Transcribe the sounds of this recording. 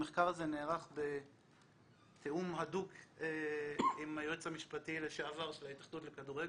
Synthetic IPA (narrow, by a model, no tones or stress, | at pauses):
meχkaʁazeneːʁaχbe | t̪ʰeumhadukeimajot͡shamiʃpatileʃaavaʁʃelait̪aχd̪ut̪lekaduʁeɡ